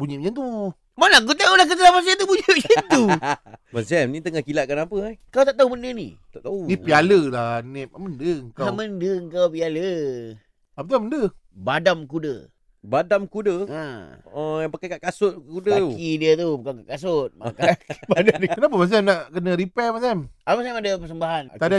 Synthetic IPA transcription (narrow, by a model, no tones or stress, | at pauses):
buɲiʔ̚d͡ʒant̪u | manaak̬ut̪̬aulahk̬ət̪əlamas̬ant̪ubuɲəʔd͡ʒənt̪umasiamnit̪əŋahkilaʔ̚kənapəakawt̪aʔt̪aubəndənḭt̪aʔt̪aunĩpialəlanɛp̚aməndəŋkaaməndəəŋkawpialə | apət̪uməndəbadamkudə̰ | badamkudəaəjapakakaʔkasʊt̪̚kudəaukidiət̪ubukakakas̬ʊt̪̚makabadaikənap̬əmas̬ɛmnaʔkənəɾipɛmasɛmamasɛmadəpəs̬əmbaɦant̪ada